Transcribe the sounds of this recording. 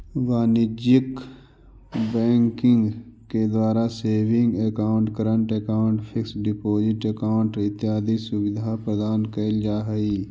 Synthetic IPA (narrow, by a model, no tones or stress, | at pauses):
ʋaːnɪd͡ʒjək | bɛːŋkɪ̃ŋɡked̪waːɾaseːʋɪ̃ŋɡekaːʊ̃ɳʈkəɾəɳʈekaːʊ̃ɳʈpʰɪksɖɪpoːd͡ʒɪʈekaːʊɳʈɪt̪ːɪaːd̪isʊbɪd̪ʱapɾəd̪aːnkɐld͡ʒaːɦɐiː